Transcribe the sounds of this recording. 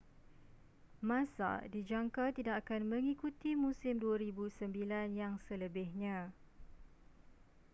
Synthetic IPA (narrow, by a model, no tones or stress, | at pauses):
mãsa̰did͡ʒaŋkat̪idakakanmə̃ŋikut̪imũsɪmduaɾibusəmbilanjaŋsələbɪhɲã